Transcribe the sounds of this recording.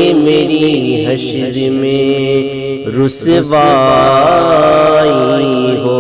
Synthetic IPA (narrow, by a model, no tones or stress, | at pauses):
emeːɾiɦɐʃɾmẽ | ɾʊsʋaː | iɦoː